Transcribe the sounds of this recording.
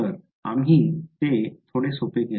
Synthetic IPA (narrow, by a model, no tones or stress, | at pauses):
əɾ | a̰mɦit̪et̪ʰoɽesopeɡ̪e